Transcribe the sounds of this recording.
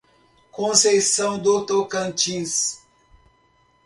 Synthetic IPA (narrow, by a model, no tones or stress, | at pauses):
kõsejsɐ̃w̃d̪ot̪okɐ̃nt͡ʃĩs